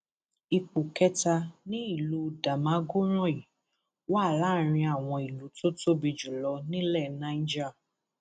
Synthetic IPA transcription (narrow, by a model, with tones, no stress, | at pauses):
i˧k͡pu˨kɛ˦ta˧nĩ˦i˦˨lu˨˦˨da˨mã˨˦ɡo˦ɾ̃ɔ̃˦i˨ | wa˦˨la˦ɾ̃ĩ˧a˨w̃ɔ̃˧i˨lu˨˦to˦to˦bi˧d͡ʒu˨lɔ˧˦nĩ˦lɛ˦˨nã˨˦d͡ʒa˦˨